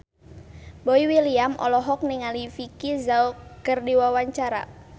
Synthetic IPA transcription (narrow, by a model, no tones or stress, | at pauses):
boiwiliamʔɔ̰lɔɦɔk̚nɪŋalifikizaɔkərdiwawaɲt͡ʃaɾa̰